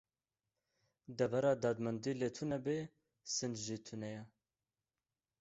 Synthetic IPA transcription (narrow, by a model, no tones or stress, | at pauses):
d̪ɛvɛɾɑːd̪ɑːd̪mɛnd̪iːlet̪ʰunɛbe | sɨnd͡ʒʒit̪ʰunɛjɛ